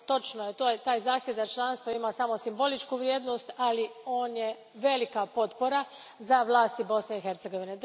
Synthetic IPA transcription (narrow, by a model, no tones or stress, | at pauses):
t̪o̞t͡ʃnojet̪ojt̪aːjzaːxt̪ʲjeʋd̪at͡ʃlˠanst̪ʋoimasamo̞simbo̞lit͡ʃkuʋɾjeːd̪no̞st̪alio̞ːnje | ʋe̞likapo̞t̪po̞ɾa | zaʋlˠaːst̪ibo̞sne̞ixe̞ɾt̪seɡo̞ʋined̪